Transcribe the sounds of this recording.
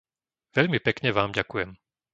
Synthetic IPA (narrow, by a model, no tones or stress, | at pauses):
ʋɛʎmipɛkɲɛʋaːmɟakujɛm